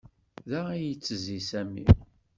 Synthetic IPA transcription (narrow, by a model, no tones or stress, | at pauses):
ðæijət͡sːəzisæmḭ